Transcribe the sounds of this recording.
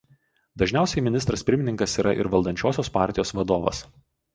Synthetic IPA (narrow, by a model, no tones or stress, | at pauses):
d̪ɐʒʲnʲæˑʊsʲɛɪmʲɪnʲɪst̪ɾɐspʲɪɾʲmʲɪnʲɪ̃ŋkɐsiːɾɐʔɪ̰ɾʋɐlˠd̪ɐnʲt͡ʃʲoːsʲoːspɑˑɾʲt̪ʲɪjoːsʋɐd̪oːʋɐ̰s